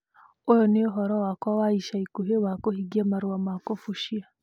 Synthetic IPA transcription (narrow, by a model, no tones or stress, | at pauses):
ojɔneoɦɔɾɔwakwawaiʃaikuɦewakohiɡiamaɾuamakofuʃia